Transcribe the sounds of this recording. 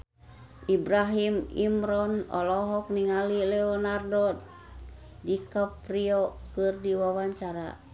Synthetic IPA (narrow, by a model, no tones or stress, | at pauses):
ʔibɾaɦimḭmɾɔnɔ̰lɔɦɔk̚niŋalilɛɔnardɔt̪̚ | dikəpriɔkɨrdiwawaɲt͡ʃaɾa